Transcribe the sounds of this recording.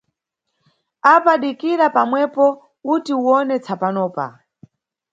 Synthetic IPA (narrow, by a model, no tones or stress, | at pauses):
apaɗikiɾapamwɛpɔ | kutiuwɔnɛt͡sʰapanɔːpa̰